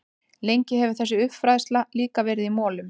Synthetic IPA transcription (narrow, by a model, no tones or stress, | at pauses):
lejɲcɪɦɛvʏθɛsːʏʏpfɾajðst̪laliːkavɛːɾɪðimɔːlʏm